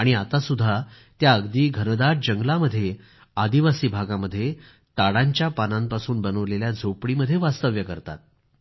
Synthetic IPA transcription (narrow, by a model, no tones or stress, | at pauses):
aɽ̃iat̪asud̪ʱːa | t̪jaəɡd̪iːɡʱənd̪aʈ̚d͡ʑəŋɡlaməd̪ʱːje | ad̪iʋasiːbʱaɡaməd̪ʱːje | t̪aɽaɲt͡ɕjapanampasuːnbənəʋleljad͡zʱopɽiməd̪ʱːjeʋast̪əʋjəkəɾt̪a̰t̪̚